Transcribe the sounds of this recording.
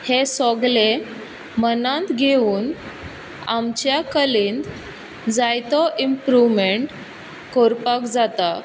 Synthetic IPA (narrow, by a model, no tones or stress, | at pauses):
hesɔɡle | mənãnt̪ɡʱeuːn | a̰mt͡ɕjakəliːnd̪ | d͡zajt̪ɔʔimpɾuʋmeɳʈ | koɾpakd͡zat̪a